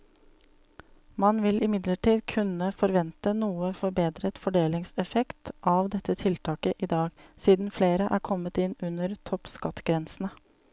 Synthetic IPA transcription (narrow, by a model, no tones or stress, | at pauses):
mɑnʋɪlʔɪmɪd̪ləʈiːd̪kʰʉnəfɔɾʋɛnt̪ənuːəfɔɾbeːd̪ɾət̪fɔɖeːlɪŋsɛfɛkt̪ʔɑʋd̪ɛt̪ːət̪ʰɪlt̪ʰɑːkəʔiːd̪ɑːɡsiːd̪n̩fleːɾəʔæːɾkʰɔmːət̪ɪnʉnəɾt̪ʰɔpskɑt̪ɡɾɛnsn̩ə